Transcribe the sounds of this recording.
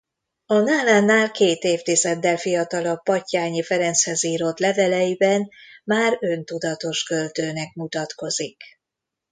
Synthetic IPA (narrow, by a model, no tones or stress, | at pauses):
ɒnaːlaːnːaːlkeːt̪eːft̪izɛd̪ːɛlfijɒt̪ɒlɒpɒcːaːɲifɛɾɛnshɛziːɾo̞t̪lɛvɛlɛjibɛnmaːɾø̞nt̪ud̪ɒt̪o̞ʃkø̞lt̪øːnɛk̚mut̪ɒt̪ko̞zik